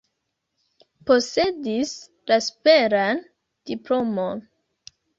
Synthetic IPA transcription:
po̞se̞dis | laspe̞ɾan | d̥iplo̞mon

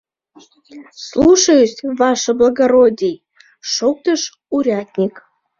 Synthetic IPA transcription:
slˠuʃəjəsʲvɑʃə̆blˠəɡɐɾodʲej | ʃok̚t̪əʃ | uɾʲɑt̪ʲnʲik

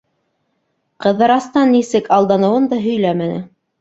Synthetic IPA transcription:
qɤ̆ðːɑɾɑst̪ɑnːisɘkɑlˠd̪ɑnɤ̆wɤnd̪ɑɦɵ̆jlæmænɘ̰

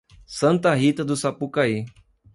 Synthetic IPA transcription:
sɐ̃nt̪ɐɦit̪ɐd̪usapukai

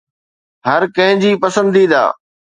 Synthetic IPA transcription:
ɦɐɾkɐ̃ɦɪ̃ɲd͡ʑiːpɐsə̃nd̪id̪a̰ː

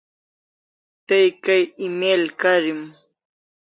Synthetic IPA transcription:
t̪ajkajɪmelkaɾɪm

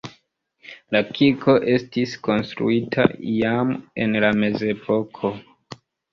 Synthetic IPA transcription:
lakʰikʰo̞ʔe̞stisko̞nstɾṵitʰa̰jame̞̰nlame̞ze̞pʰo̞kʰo̞

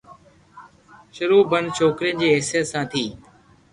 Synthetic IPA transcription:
ʃʊɾuːbənd̪̚t͡ʃʰoːkɾijə̃nd͡ʑiːɦeɦsɪjət̪sãːt̪ʰiː

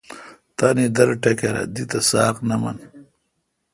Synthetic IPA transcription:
t̪anid̪ɐɾʈɐkeɾɐ̰d̪it̪ɐsaːqnɐmɐ̰n

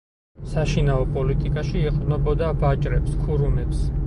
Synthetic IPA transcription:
saʃinaɔpʼɔlit̪ʼikʼaʃiːqʼnɔbɔd̪abat͡ʃʼɾɛpskʰuɾumɛps

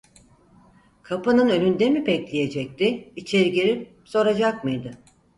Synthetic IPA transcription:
kʰapanɯnø̞lʲynd̪emibɛclʲije̞d͡ʒɛc̚t̪ɪit͡ʃʰeɾiɟeɾip̚ | so̞ɾad͡ʒakmɯjd̪ɯ

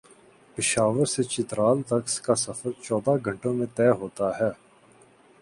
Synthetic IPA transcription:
pɪʃaːʋəɾset͡ʃɪt̪ɾaːlt̪ɐkskasɐfəɾt͡ʃɔːd̪aɡʱə̃ɳʈõmẽt̪ɛːɦoːt̪aɦɛː

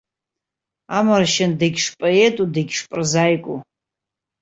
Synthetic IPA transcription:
amarʃɪndɨɡʲʂpʼaetʼudɨɡʲʂpʼɨrzajkʷʼu

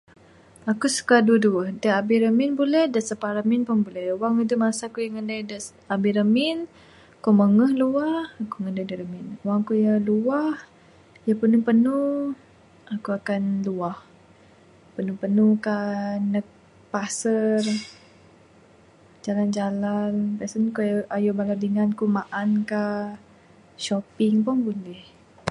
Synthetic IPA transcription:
akusu̥kaduəduəhdəabiɾəminbulɛhdaʔsəpaɾəminpunbulɛhwaŋid̪umasakuiŋəndadəs | abiɾəmin | kɔməŋəhluahakuŋəndədəɾəmɪnwaŋkujaluah | japənupənu | akuakanluah | pənupənukanək̚ | pasər | d͡ʒaland͡ʒalanbasənkuajubaladiŋankumaʔanka | ʃopɪŋpɔŋbundih

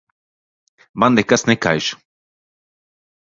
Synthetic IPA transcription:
mand̪ekasneka̰jʃ

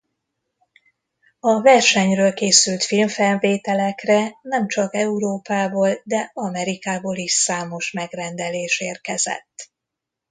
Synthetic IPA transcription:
ɒvɛrʃɛɲrøːlkeːsylt̪filɱfɛlveːt̪ɛlɛkrɛnɛmt͡ʃɒkɛuɾoːpaːboːld̪ɛɒmɛɾikaːboːliʃsaːmo̞ʃmɛɡrɛnd̪ɛleːʃeːrkɛzɛ̰t̪ː

